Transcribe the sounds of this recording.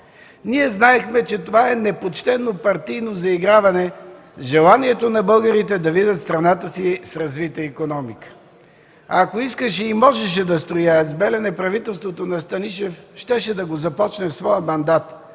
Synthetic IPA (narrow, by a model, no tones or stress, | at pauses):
niɛznaɛxmɛt͡ʃɛt̪ovaɛnɛpot͡ʃt̪ɛnopɐɾt̪ijnozɐiɡɾavɐnɛ | ʒɛlˠaniɛt̪onɐbɤlˠɡəɾit̪ɛd̪ɐvid̪ʲət̪st̪ɾɐnat̪əsisɾɐzvit̪əikonɔmikə̥ | akoiskəʃɛimɔʒɛʃ̬ɛd̪ɐst̪ɾojaɐt̪zbɛlɛnɛpɾɐvit̪ɛlˠst̪vot̪onɐst̪ɐniʃɛfʃt̪ɛʃɛd̪ɐɡozɐpɔt͡ʃnɛfsvɔjəmɐnd̪at̪